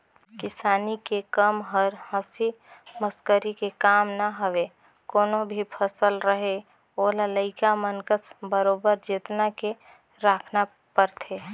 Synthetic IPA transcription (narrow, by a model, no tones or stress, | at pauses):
kɪsaːnikekəmɦəɾɦəsi | məskəɾikekaːmnəɦəʋe | koːnobʱipʰəsəlɾəɦe | olələɪkamənkəsbəɾoːbəɾd͡ʒet̪nake | ɾaːkʰna | pəɾt̪ʰe